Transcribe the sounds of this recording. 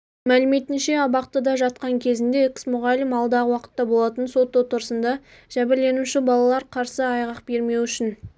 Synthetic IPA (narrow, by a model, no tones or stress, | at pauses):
mælɪme̞t̪ɪnʃe̞ɑbɑq̚t̪əd̪ɑʒɑt̪̚qɑŋkʲʰe̞zɪnd̪e̞ɛksmʊʁɑlʲɪmɑlˠd̪ɑʁəwɑqə̥t̪ːɑbo̞lˠɑt̪ənso̞t̪ːot̪ʰːʊɾəsənd̪ɑ | ʒ̥æbɪɾle̞nuʃɪbɑlˠɑlˠɑɾqʰɑɾsəɑjʁɑq̚be̞ɾme̞wʏʃɪn